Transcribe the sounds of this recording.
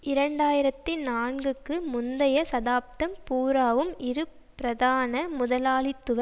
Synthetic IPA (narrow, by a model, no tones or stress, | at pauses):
ɪɾɐɳɖaːjɪɾɐt̪ːɪnaːɳɡɯkːɯmʊnd̪ɐjɐsɐðaːp̚t̪ɐmpuːɾaːʋɯmɪɾɯ | ɾɐðaːnɐmʊðɐlaːlɪt̪ːɯʋɐ